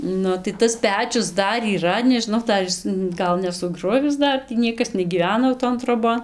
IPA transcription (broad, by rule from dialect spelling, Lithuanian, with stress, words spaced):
ˈnʊ tɐɪ ˈtɐs ˈpʲæːt͡ʃʲʊs ˈdɐr iːˈrɐ nʲɛʒʲɪnˈɐʊ ˈdɐr ɪs ˈɡɐlˠ nʲɛsʊˈɡrʊʋʲɪs ˈdɐr tʲiː ˈnʲiɛkɐs nʲɛɡʲiːˈʋʲæːnɐ jɛʊ ˈtoːn troːˈboːn